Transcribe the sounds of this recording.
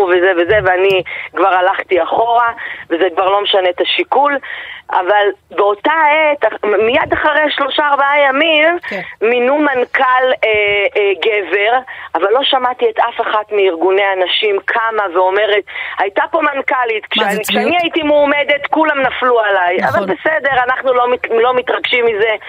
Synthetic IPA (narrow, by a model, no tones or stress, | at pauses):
uvezeveze̞veanikvaʁalaχt̪iaχo̞ʁavezekvaʁlo̞meʃane̞t̪aʃikula̰valbeo̞t̪aet̪amijadaχaʁejʃlo̞ʃaːʁbaajamimːinumankaleɡe̞ve̞ʁavalːo̞ʃamat̪iet̪ʔafeχatmiːʁɡune̞anaʃimkʰamaveo̞me̞ʁethajtapo̞mankalitkʃekʃeaniaitimuːme̞de̞tkulamnaflualaja̰valbe̞sede̞ʁanaχnulomilo̞mitʁaɡʃimize̞